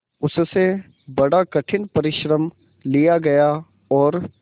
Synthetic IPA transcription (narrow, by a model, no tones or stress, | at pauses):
ʊsse | bɐɽakɐʈʰɪnpɐɾɪʃɾəm | lijaɡɐja | ɔːɾ